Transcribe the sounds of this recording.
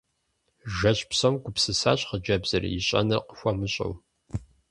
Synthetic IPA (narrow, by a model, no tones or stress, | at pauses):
ʒɐɕʼpsɐmɡʷʊpsɨsaːɕʼχəd͡ʒɐbz̥ɐrḭjiɕʼɐ̰nɐqə̥xʷɐmɨɕʼɐ̰w